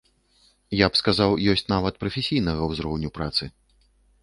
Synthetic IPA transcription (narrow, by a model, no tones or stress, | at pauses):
japskazawjɔsʲt͡sʲnavɐt̪̚pɾɐfʲesʲijnɐɣɐwzɾɔwnʲupɾat̪sɨ